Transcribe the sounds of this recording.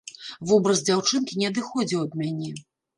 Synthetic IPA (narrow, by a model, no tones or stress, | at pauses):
vɔbɾɐzd͡zʲawt͡ʂɨnkʲinʲɛɐd̪ɨxɔd͡zʲiwɐd̪̚mʲanʲɛ